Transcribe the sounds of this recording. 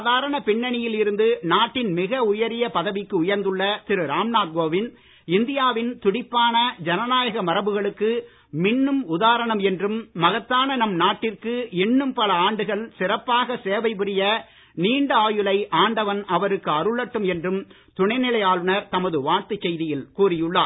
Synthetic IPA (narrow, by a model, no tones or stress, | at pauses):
aːðaːɾɐɳɐpɪɳːɐɳɪjɪlɪɾɯnd̪ɯnaːʈːɪnmɪɣɐʊjɐɾɪjɐpɐðɐʋɪkːɯʊjɐɾnd̪ɯɭːɐt̪ɪɾɯɾaːmnaːd̪̚ɡoːʋɪn | ɪnd̪ɪjaːʋɪnt̪ʊɽɪpːaːnɐd͡ʒɐnɐnaːjɐɣɐmɐɾɐbɯɣɐɭɯkːɯ | mɪɳːɯmʊðaːɾɐɳɐmɛndrɯmːɐɣɐt̪ːaːnɐnɐmnaːʈːɪrkɯɛnːɯmpɐlɐaːɳɖɯɣɐɭsɪrɐpːaːɣɐseːʋɐɪpʊɾɪjɐ | niːɳɖɯaːjɯlɐɪʔaːɳɖɐʋɐnɐʋɐɾɯkːɯɐɾɯɭːɐʈːɯmɛndrɯm | t̪ʊɳɐɪnɪlɐjaːlɯnɐɾt̪ɐmɐðɯʋaːɾt̪ɯt͡ʃːɛjðɪjɪlkuːrɪjɯɭːaː